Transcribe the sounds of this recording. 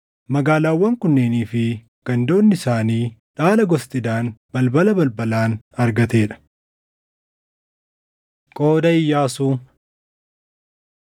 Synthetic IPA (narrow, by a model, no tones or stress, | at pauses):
mɐɡaːlaːwːɐŋkʊnːeːniːfɪ | ɡ̥ɐnd̪o̞ːnːɪsaːniːᶑaːlɐɡɔst̪ʼɪd̪aːnbɐlbɐlɐbɐlbɐlaːn | ɐɾɡɐt̪e̞ːᶑɐ̥ | kʼoːd̪ɐɪjːaːsuː